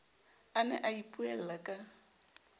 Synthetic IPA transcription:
anɛ̰ʔaipʼuɛl̩lakʼa

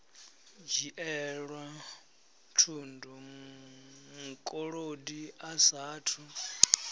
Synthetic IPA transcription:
d͡ʒiʔɛɺwa | tʰundɔm | mukʼɔɺodiasaːtʰu

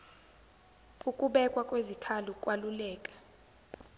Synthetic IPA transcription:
ukʼuɓɛkʼwakʼwezikʰalukʼwalulɛːkʼḁ

